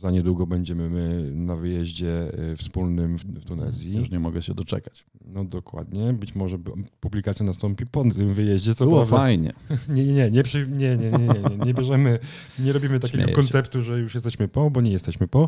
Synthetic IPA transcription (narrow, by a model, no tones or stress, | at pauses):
zaɲɛd̪wuɡɔbɛɲd͡ʑɛmɘmɘnavɘjɛʑd͡ʑɛfspulnɘmfft̪unɛ̰zʲjiuʂɲɛmɔɡɛɕɛd̪ɔt͡ʂɛ̰kat͡ɕ | nɔd̪ɔkwa̰d̪ɲɛbɘt͡ɕmɔʐɛpublʲikat̪sʲjanast̪ɔmpʲipɔɪmvɘjɛʑd͡ʑɛt̪sɔwɾɔavd̪aajɲɛ̰ɲɛɲɛɲɛɲɛpʂɨɲɛɲɛɲɛɲɛɲɛɲɲɛbʲjɛʐɛmɘ | ɲɛɾɔbʲimɘt̪akkʲɛɡɔ̰kɔnt̪sɛpt̪uʐɛjuʂjɛst̪ɛɕmɘpɔbɔɲɛjɛst̪ɛɕmɘpɔ